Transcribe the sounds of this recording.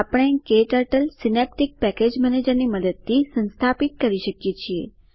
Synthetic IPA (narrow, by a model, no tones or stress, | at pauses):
apɽ̃ekeʈəɾʈəlsinep̚ʈik̚pɛked͡ʒmɛned͡ʒəɾniməd̪əd̪̚t̪ʰisə̃nst̪ʰapit̪̚kəɾiʃəkjet͡ʃʰiḛ